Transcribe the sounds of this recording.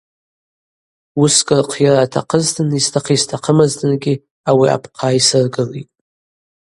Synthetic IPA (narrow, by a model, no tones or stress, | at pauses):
uskʼɨrqʰjaɾaːtʰa̰qʰəztʰɨnistʰaqʰiztʰaqʰəmaztʰʼɨnɡʲɪ | awia̰pʰqʰaːisɨrɡɨlitʼ